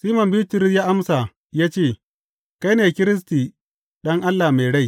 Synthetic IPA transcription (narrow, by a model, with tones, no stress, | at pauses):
siː˦mɐ˨mbiː˦tɪ˨˦ɾɪ˦jaː˦ʔa˦msa˨ | jaː˦t͡ʃeː˦˨ | ka˦jneː˨kʲɪ˦ɾɪ˦s̬tiː˨ | ɗɐ˦ŋʔa˦lːa˨me˨jɽa˦˨j